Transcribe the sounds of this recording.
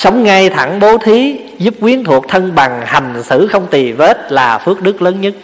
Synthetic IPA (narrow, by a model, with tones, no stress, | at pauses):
sə˨˦wŋ͡mŋa˧jt̪ʰa˧˩ŋɓo˨˦t̪ʰi˨˦ | zu˦˥p̚kwi˨˦ənt̪ʰu˨˩ək̚t̪ʰə˧nɓa˨˩ŋha˨˩ŋ̟sɨ̰˧˩xə˧wŋ͡mt̪i˨˩ve˦˥t̚laː˨˩fɨ˦˥ək̚ɗɨ˦˥k̚ləː˨˦nɲə˦˥t̚